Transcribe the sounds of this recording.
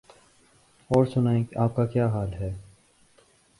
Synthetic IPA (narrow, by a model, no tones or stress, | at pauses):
ɔːɾsʊnaːẽaːp̚kakjaːɦaːlɦɛː